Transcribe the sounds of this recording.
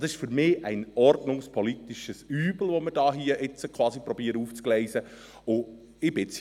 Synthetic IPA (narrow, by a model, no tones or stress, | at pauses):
d̥̪ɑsɪʃfʏɾmɪːʔæɪnɔrdnʊŋspʰɔlit̪iʃəsyːbl̩ʋɔməd̥ɑːɦiəʔɪt͡səkχʋɑːsipɾɔbiəɾəuːft͡sklɛɪzə | ʊ | ɪbɪt͡s